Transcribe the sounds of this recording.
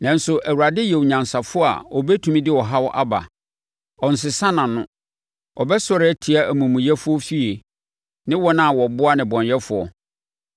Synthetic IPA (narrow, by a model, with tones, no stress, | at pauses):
nã˨n̩˦sʊ˨ʔæ˨wu˨ɾa˨dɪ˦jɛ˨wɲã˨nsa˨fʊ˦a̰˨ɔ˨bɛ˦tʰũ˨mĩ˦dɪ˦wɔ˨ɦa˦wɔ˦ʔa˦ba̰˨ | ɔ˨n̩˨s̬ɪ˨sã˦nã˨nʊ̃˦ | ɔ˨bɛ˦sɔ˦ɾɪ˦ɛ˦tʰi˨a˦˨æ˨mũ˨mũ˨jɛ˦fʊ˦ɔ˦fi˦e˨ | nɪ̃˦wɔ˦nã˦˨wɔ˨bʊ˦a˦nɪ̃˨bɔ̃˨ɲjɛ˦fʊ˨ɔ̰˨